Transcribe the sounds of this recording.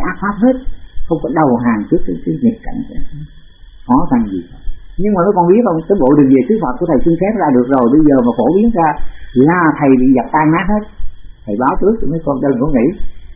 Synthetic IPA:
ʔaː˦˥t̚faː˦˥p̚he˦˥t̚xə˧wŋ͡mkɔ˨˦ɗə˨˩wɦaː˨˩ŋt͡ɕɨ˦˥əkːaː˨˦jkaː˨˦jɲi˨˩əp̚ka̰˧˨ŋka˨˦˨ | xɔ˨˦xa˧ŋzi˨˩ka˨˧˦ɲɨ˧ŋmaː˨˩mə˨˦jkɔ˧˩nɓi˦˥ət̚ɔ˧˩ŋ͡mk̪əː˨˦jɓo̰˧˨ɗɨ˨˩k̚ve˨˩sɨ˨˦˥hə˨˩t̚ku˧˩ət̪ʰə˨˩jsɨ˧ŋfɛ˦˥p̚za̰ː˧˩ɗɨ˨˩ək̚zo˨˩jɓə˧jzəː˨˩maː˨˩fo˧˩ɓi˨˦ənzaː˧laː˨˩t̪ʰə˨˩jɓḭ˧˨za˨˩p̚t̪aː˧ŋnaː˦˥t̚he˦˥t̚t̪ʰə˨˩jɓaː˨˦wt͡ɕɨ˦˥ək̚məː˨˦jkɔ˧nɗəː˧˩nkɔ̰˧˦ŋḭ˧˥˨

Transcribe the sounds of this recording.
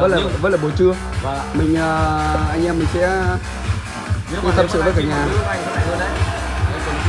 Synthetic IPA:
ə˦˥t̚laː˨˩və˦˥laː˨ɓo˨˩t͡ɕɨ˧ə˨ | mï˨˩ŋ̟ʔəː˨˩ʔa˧jŋ̟ʔɛ˧mːï˨˩ŋ̟sɛ̰˧˥˦ | t̪ʰa˧msɨ̰˧˨ɗə˨˦kaː˨˩ɲaː˨˩˧

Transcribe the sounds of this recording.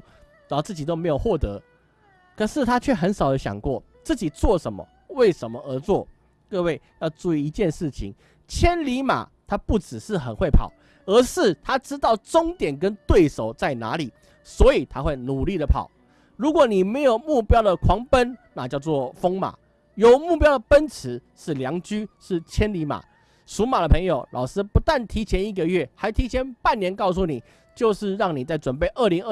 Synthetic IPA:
t͡sɹ̩˥˩t͡ɕi˨˩t̪o˥ʊme˧˥ɪjo˨˩ʊxwɔ˥˩t̪ɤ˧˦ | kʰɤə˨˩ʂɻ̩˥˩t̪ʰa˥t͡ɕʰɥɛ˥˩xə˧˥nʂɑ˨˩ʊd̪ə˦ɕjɑ̰˨˩ŋkwɔ˥˩ | t͡sɹ̩˥˩t͡ɕi˨˩t͡swɔ˥˩ʂə˧˦nmə̰˨ | we˥˩ɪʂə˧˥nmə˧ʔə˧˥t͡swɔ˥˩ | kɤ˥˧we˥˩ɪjɑ˥˧ʊt͡su˥˧i˥˩i˧˥t͡ɕjɛ˥˧nʂɻ̩˥˩t͡ɕʰḭ˨˦ŋ | t͡ɕʰjɛ˥nli˧˥ma̰˨˩t̪ʰa˥pu˥˩ʈ͡ʂɻ̩˨˩ʂɻ̩˥˩xə˨˩nxwe˥˩ɪpʰɑ̰˨˩ʊ | ə˧˥ʂɻ̩˥˩t̪ʰa˥ʈ͡ʂɻ̩˥t̪ɑ˥˩ʊʈ͡ʂʊ˥ŋt̪jɛ˨˩nk̬ə˦nt̪we˥˩ɪʂo˨˩ʊt͡sa˥˩ɪna̰˧˥li˨˩˦ | swɔ˧˥i˨˩t̪ʰa˦xwe˥˩ɪnu˨˩li˥˩d̪ə˩pʰɑ̰˨˩˦ʊ | ɻu˧˦˥kwɔ˨˩˦ni˨˩me˧˥ɪjo˨˩ʊmu˥˩pjɑ˥ʊd̪ə˨kʰwɑ˧˥ŋpə˦nna˥˧t͡ɕjɑ˥˧ʊt͡swɔ˥˨fo˥ŋma̰˨˩ | jo˨˩ʊmu˥˩pjɑ˥ʊd̪ə˨pə˦nt͡s̩ʰ˧˦ʂɻ̩˥˩ljɑ˧˥ŋt͡ɕy˥ʂɻ̩˥˩t͡ɕʰjɛ˥nli˧˥ma̰˨˩ | su˧˥ma˨˩d̪ə˩pʰə˧˥ŋjo˨˩ʊlʔɑ̰˨˩ʊʂ̩˥pu˧˥t̪a˥˩nt̪ʰi˧˥t͡ɕʰjɛ˧˦˥ni˥˩ɡə˨˧ɥɛ˥˩xa˧˥ɪt̪ʰi˧˥t͡ɕʰjɛ˧˦npa˥˨nːjɛ˧˥nkɑ˥˧ʊs̬u˥˩ni˨˩ | t͡ɕjo˥˧ʊʂɻ̩˥˧ɻɑ˥˩ŋni˨˩t͡sa˥˩ɪʈ͡ʂwə˨˩npe˥˩ɪʔə˥˩li˧˥ŋə˥˧

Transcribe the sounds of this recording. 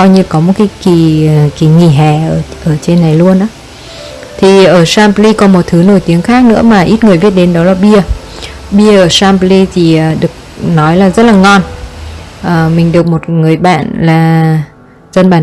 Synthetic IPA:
ɔ˧jɲi˧kɔ˨˦mo˨˩t̚kaː˨˦ki˧˩ki˨˧˩ŋi˧˩ɦɛ˨˩ʔəː˧˩ʔəː˧˩t͡ɕe˧nːa˨˩jlu˧ənʔaː˨˦ | t̪ʰi˨˩ʔəː˧˩saː˧mpli˧kɔ˨˩˦nmo˨˩t̚t̪ʰɨ˨˦no˧˩jt̪i˨˦əŋxaː˦˥k̚nɨ̰˧˥əmaː˨˩ʔi˦˥t̚ŋɨ˨˩əjvi˦˥ət̚ɗe˨˦nɗɔ˨˦laː˨˩ɓi˧ə | ɓi˧əʔəː˧˩saː˧mpli˧t̪ʰi˨˩əː˨˩ɗɨ˨˩ək̚nɔ˨˦jlaː˨˩zə˦˥t̚laː˨˩ŋɔ˧n | ʔəː˨˩mï˨˩ŋ̟ɗɨ˨˩ək̚mo˨˩t̚ŋɨ˨˩əjɓa̰ː˧˨nlaː˨˩ | zə˧nɓaː˧˩

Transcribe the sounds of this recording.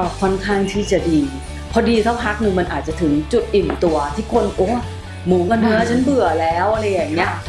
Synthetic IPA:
kʰɔ˧nkʰaː˥˩ŋt̪ʰiː˥˩t͡ɕa˨˩diː˧ | pʰɔ˧˩diː˧t̪ʰa˦˥˩wpʰa˦˥k̚nɯ˧ŋma˧nʔaː˨˩t̪̚t͡ɕa˨˩t̪ʰɯ˩˦ŋt͡ɕu˨˩t̪̚ʔi˨˩nt̪u˧ɐt̪ʰiː˥˩kʰo˧nʔoː˨˦˥ | muː˨˩˦ka˧nhɯ˧˦˥ɐ˥˨t͡ɕʰa˦˥nbɯ˨˩ɐlɛː˦˥wʔla˧jaː˨˩ŋni˦˥ɐ

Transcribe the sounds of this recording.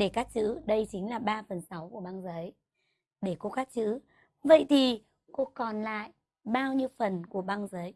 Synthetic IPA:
ɗe˧˩kaː˦˥t̚t͡ɕɨ̰˧˥ɗə˧jt͡ɕï˨˦ŋ̟laː˨˩ɓaː˧fə˨˩nsa˨˦wku˧˩əɓaː˧ŋzəː˨˦j | ɗe˧˩ko˧kaː˦˥t̚t͡ɕɨ̰˧˥ | və̰˧˨jt̪ʰi˨˩ | ko˧kɔ˨˩nla̰ː˧˨j | ɓaː˧wɲi˧əwfə˨˩nku˧˩əɓaː˧ŋzəː˨˦j

